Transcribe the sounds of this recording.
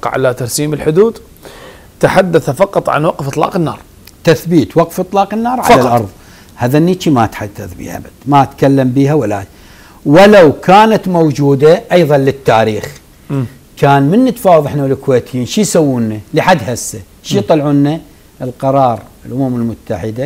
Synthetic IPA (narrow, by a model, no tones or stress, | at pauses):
qʕa̰lat̪ɑɾˤsiːmɪlħʊd̪uːd̪ | t̪aħad̪ːaθafɑqɑt̪ˤʕa̰nwɑqfʔɨt̪ˤlɑ̰ːqɪnːɑ̰ːɾˤ | t̪aθbiːt̪wɑqfʔɨt̪ˤlɑːqɪnːɑːɾˤʕalaʔɑɾˤðˤ | haːðanːiːt͡ʃimaʔat̪ħad̪ːaθbḭʔa̰bad̪maʔat̪kalːambiːɦawala̰ː | wɪlawkaːnat̪mowd͡ʒuːd̪aʔɑjðˤɑnlɪt̪ːaːɾiːx | kaːnmɪnːɪt̪faːwðˤɪħnawlɪkweːt̪ɪjiːnʃijsawːuːnːalɪħad̪ːhasːa | ʃit̪ˤɑlʕuːnːa | ʔɪlqɑɾˤɑːɾˤɪlʔʊmamɪlmʊt̪ːaħɪd̪a